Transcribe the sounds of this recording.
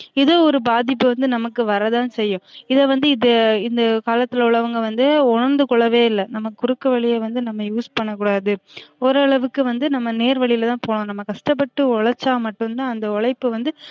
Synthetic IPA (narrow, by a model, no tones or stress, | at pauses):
ɪðoːɔɾɯbaːðɪpːɯʋɐnd̪ɯnɐmɐkːɯʋɐɾɐðãːnsɛjːʊ̃ɪðɛʋɐnd̪ɯɪðɐɪnd̪ɐkaːlɐt̪ːɯlʊɭɐʋɯŋɡɐʋɐnd̪ɯʊɳɐɾnd̪ɯkɔɭːɐʋeːɪlːɐnɐmːɐkʊɾɯkːɐʋɐɭɪjeʋɐnd̪ɯnɐmːɐjuːspɐɳːɐkːuːɽaːðɯɔɾɐːɭɐʋɯkːɯʋɐnd̪ɯnɐmːɐneːɾʋɐɭɪjɪlt̪ãːpoːɳʊ̃nɐmːɐkɐʂʈɐpːɐʈːɯɔɭɐɾt͡ʃːaːmɐʈːɯnt̪ãːɐnd̪ɐɔɭɐɪpːɯʋɐnd̪ɯ